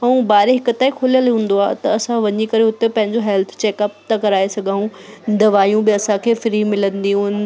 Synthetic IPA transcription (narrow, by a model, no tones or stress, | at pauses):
ɐũbaːɾeɦɪkʊt̪aːikʰoːljəlɦũːn̆d̪oa̰ːt̪ɐɐsãʋɐɲikɐɾeɦʊt̪epɐ̃ɦɪ̃ɲd͡ʑoɦɛlt̪ʰt͡ɕeːkɐp̚t̪akɐɾaːesɐɡʱãːũd̪ɐʋaːjũbɪɐsãkʰeːfɾiːmɪlə̃nd̪iɦũnɪ̆